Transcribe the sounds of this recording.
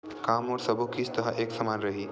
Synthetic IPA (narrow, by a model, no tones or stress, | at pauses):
kamɔːɾsəbʱokit͡ʃt̪əɦaʔeksəmanɾəɦiː